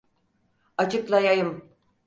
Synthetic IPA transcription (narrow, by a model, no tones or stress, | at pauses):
at͡ʃʰɯklˠajajɯm